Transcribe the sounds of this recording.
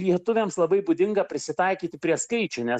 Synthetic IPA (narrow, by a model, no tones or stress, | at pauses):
lʲiɛt̪ʊʋʲeːmslˠɐbɐɪbʊd̪ʲɪŋɡɐpʲɾʲɪsʲɪt̪ɐɪkʲiːt̪ʲɪpʲɾʲiɛskɐɪt͡ʃʲʊnʲɛ